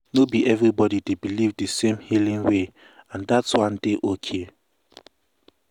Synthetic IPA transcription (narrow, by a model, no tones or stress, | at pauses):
nobiʔɛvɹibɔdidebilivdəsẽmhilĩŋwe | ãndatswãndeʔokʰe